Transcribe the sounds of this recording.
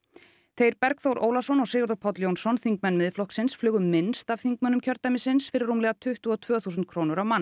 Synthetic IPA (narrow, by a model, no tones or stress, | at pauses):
θejɾpɛɾkθowɾʔo̰ːwlasɔnɔɣseːɣʏɾt̪ɔpʰɔt̪ljownsɔnθiŋkmɛnːmɪðflɔhksɪnsflʏːɣʏmmːɪnst̪av̥θiŋkmɛnʏmcʰœɾt̪amɪsɪnsfɪɾɪrːuːmlɛːɣat̪ʰʏht̪ʏɔt̪ʰvœːθusʏnt̪̚kʰɾoːwnʏɾawmanː